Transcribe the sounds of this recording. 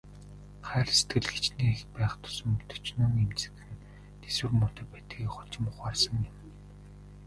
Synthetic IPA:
χæːr̆se̥t̪ɡɘ̆ɮxet͡ɕniːexpæːχt̪ʰʊ̥sɵ̆mɵ̥t̪ɵ̥̆t͡ɕnɵŋemt͡sɘ̥̆kɘ̆n | t̪ʰeswɘ̆rmʊt̪ə̆pæːt̪ɡiːkχɔ̥t͡ɕɪ̆mʊχarsə̆ŋɪ̆m

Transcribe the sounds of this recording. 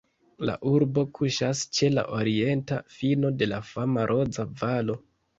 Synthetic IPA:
la̰ʔuɾbo̞kʰuʃast͡ʃe̞la̰ʔo̞ɾie̞ntafino̞de̞lafamaɾʔo̞d͡zavalo̞

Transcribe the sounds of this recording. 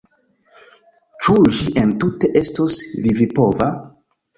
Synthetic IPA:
t͡ʃuʒiʔentute̞ʔe̞stosvivipo̞va

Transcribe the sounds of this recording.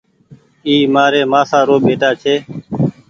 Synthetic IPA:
iːmaːɾeːmãːsaːɾoːɓeːʈaːt͡ʃʰeː

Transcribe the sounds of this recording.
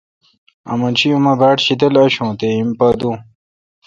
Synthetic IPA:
ɐ̰mɐnɕʰijumɐbaːʈɕid̪ɐlɐɕõːt̪eimpaːd̪ũ

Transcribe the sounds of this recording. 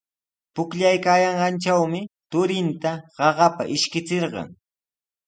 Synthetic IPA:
pʊkʎajkaːjɑɴɢɑnt͡ʃawmɪt̪ʊɾɪnt̪aɢɑɢɑpa̰ʔɪʃkɪt͡seɾɢɑ̰ŋ

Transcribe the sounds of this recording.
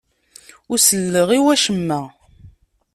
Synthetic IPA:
ʊɾsəlːəʁiwæʃəmːæ

